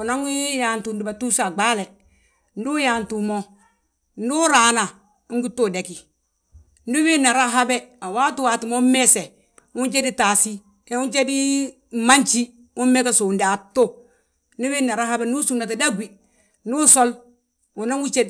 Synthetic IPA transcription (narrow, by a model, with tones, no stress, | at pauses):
u˨na˦ŋwi˦ja˨ntu˨ndi˨ba˨tu˦sa˨ɡ͡baː˦lɛ˨ | n̩˦du˦ja˨ntu˨mɔ˦ | n̩˦du˦ɾaː˨na˨˦ | ŋ˦ɡu˦tːo˦de˨ki˨ | ndu˦we˦na˨ɾa˦ɦa˦bɛ˦a˨wa˦tu˦wa˨tu˨mo˦mɛ˦sɛ˨ | u˦nt͡ʃɛ˦di˦taː˨si˦ | ɛ˦u˦nt͡ʃɛ˦di˦ | ma˦ɲt͡ʃi˦ | u˦mːe˦ka˦so˨ndi˨a˨tːo˦ | ndu˦we˦na˨ɾa˦ha˦bɛ˨ndu˦su˨na˨ta˨da˦ɡʷi˨ | n˦du˦sɔ˦l | u˨na˦nwi˦t͡ʃe˦